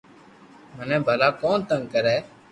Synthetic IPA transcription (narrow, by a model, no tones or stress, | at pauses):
mənɛ̃ːbʱəlaːkoːnt̪əŋɡkəɾɛː